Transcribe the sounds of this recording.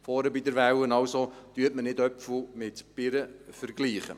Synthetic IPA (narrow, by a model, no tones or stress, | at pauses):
fɔːɾəbid̪əɾʋæwənɑwsod̥yːtmənɪdœpfəmɪtb̥ɪɾəfəɾɡ̥liːχə̰